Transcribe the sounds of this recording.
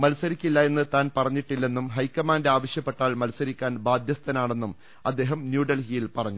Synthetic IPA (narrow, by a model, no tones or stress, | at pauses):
mɐlsɐɾikʲːilːɐe̞nːɨt̪aːnpɐrɐɲːiʈːilːe̞nːumɦɐjkːɐmaːndeaːʋɐɕjɐpːe̞ʈːaːɭmɐlsɐɾikʲːaːnbaːd̪ʱjɐst̪ɐnaːɳe̞nːum | ɐd̪ːe̞ːɦɐmnjuːɖɐlɦijilpɐrɐɲːu